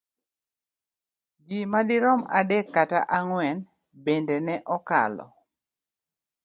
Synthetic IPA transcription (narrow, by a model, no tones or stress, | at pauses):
ɡimadiɾɔma̰dekːata̰ʔaŋwɛn | bendenɛʔɔka̰lɔ̰